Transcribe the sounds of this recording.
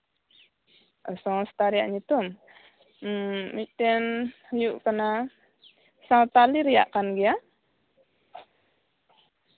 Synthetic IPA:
ʔəsɔst̪aɾiaʔɲit̪un̩ | mit̪ɛnhjuʔkəna | sat̪aliɾija̰ʔkanɡia

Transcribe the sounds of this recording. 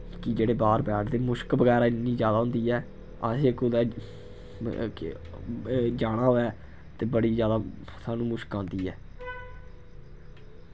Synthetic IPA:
kɪd͡ʒeːɽeːbaːɾbɛːʈʰd̪eːmʊʃkbəɡɛːɾaːɪnːiːd͡ʒjaːd̪aːɦʊ̃ːnd̪iːɛː | asekʊd̪ɛː | d͡ʒaːɽ̃ãːoɛː | t̪eːbəɽiːzjaːd̪aːsaːnũːmʊʃkãːnd̪iːɛː

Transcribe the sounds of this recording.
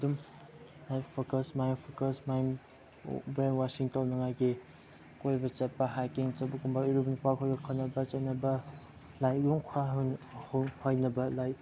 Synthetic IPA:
dum | lajpʰokɐsmajmpʰokɐsmajm | beŋwasiŋtawnɐŋajɡi | kojbɐt͡ʃɐt̚pɐɦajkiŋt͡ʃɐbɐkumbauɾupnipakʰojɡɐkʰɔnɐbɐt͡ʃɐt̚nɐbɐ | lajjuŋkʰaɦhhojnɐbɐlaj

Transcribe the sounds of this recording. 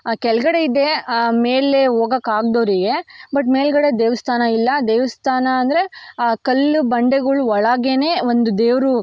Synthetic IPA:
kɛlɡɐɽe̞id̪e̞meːlːeɦoːɡɐkaːɡ̚d̪oːɾiːɡe̞bɐʈ̬meːlɡɐɽed̪eːʋɐst̪ʰaːnɐilːɐd̪eːʋɐst̪ʰaːnɐːnd̪ɐɾekɐlːubɐɳɖeɡɐɭuɔɭaːɡeneːond̪ud̪eːʋɾu

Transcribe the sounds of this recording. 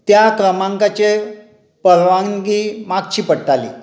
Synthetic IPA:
t̪jakɾəmãŋkat͡ɕe | pəɾʋaŋɡimak̚t͡ɕiːpəɽt̪alḭ

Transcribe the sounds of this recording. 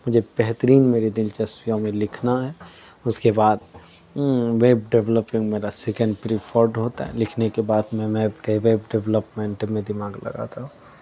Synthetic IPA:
mʊd͡ʒʱebɛɦt̪əɾiːnmeːɾed̪ɪlt͡ʃɐsijõmẽlɪkʰnaɦɛː | ʊskebaːd̪ | ʋeːbɖɛʋləpɪ̃ŋɡmeːɾasɛkə̃ɳɖpɾifʰoːɾɖɦoːt̪a̰ɦɛ̰lɪkʰnekebaːd̪mɛ̃mebɾeʋeːbɖɛʋləpmẽɳʈmẽd̪ɪmaːɡlɐ̰ɡa̰t̪aɦũː

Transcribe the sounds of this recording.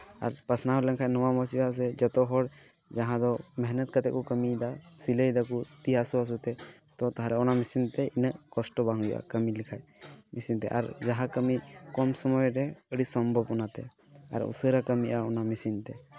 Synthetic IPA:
a̰ɾpəsnaɦɔləŋkʰajnɔwamɔt͡ʃias̬ɛd͡ʒɔt̪ɔɦɔɽ | d͡ʒaɦãd̪ɔmɛɦnət̪̚kat̪ɛʔ̚kukəmid̪asiləjd̪akut̪iasuas̬ut̪ɛt̪ɔt̪aɦãɾɛɔnamisint̪ɛinəʔkɔsʈɔbaŋujṵʔa̰kəmilikʰajmisint̪ɛ̰ʔa̰ɾd͡ʒaɦãkəmikɔmsɔmɔjɾɛəɽisɔmbʱəbɔnat̪ɛ̰ | a̰ɾṵsəɾakəmiʔaɔnamisint̪ɛ

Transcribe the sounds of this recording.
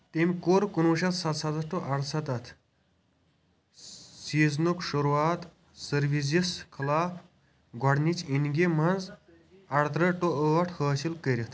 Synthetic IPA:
t̪emʲkoɾkunuʃɐt̪sɐt̪sɐt̪ɐʈoʔɐɽsɐt̪ɐt̪ʰ | siːznukʃuɾuaːt̪ | səɾʋis̬iskʰɐlaːp | ɡʱɔɽnit͡ʃinɡimɐnd͡z | ɐɽt̪ɾɐʈoəɐʈʰhəːsilkəɾʲit̪ʰ

